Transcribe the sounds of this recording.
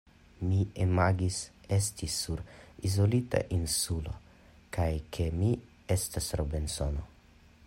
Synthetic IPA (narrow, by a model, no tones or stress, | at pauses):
miemaɡisestʰisuɾizolit̪a̰ʔinsulo̰ | kajkʰe̞mi | est̪asɾobensono̰